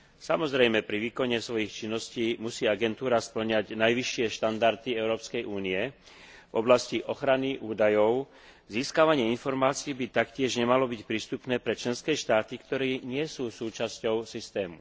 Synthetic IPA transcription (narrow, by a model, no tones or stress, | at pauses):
samɔzɾɛjmɛpɾiʋiːkɔɲɛsʋɔjixt͡ʃinːɔsciːmusiːaɡɛnt̪uːɾaspl̩ɲaɟnajʋiʃːɪɛʃt̪and̪aɾt̪iɛʊɾɔːpskɛjʔuːniɛ | vɔ̰blasciʔɔxɾaniʔuːd̪ajɔʊ | ziːskaʋaɲɪɛinfɔɾmaːt͡siːbit̪akcɪɛʒɲɛmalɔbicpɾiːst̪upnɛːpɾɛt͡ʃlɛnskɛːʃt̪aːt̪ikt̪ɔɾɛːɲɪɛsuːsuːt͡ʃascɔʊsist̪ɛːmu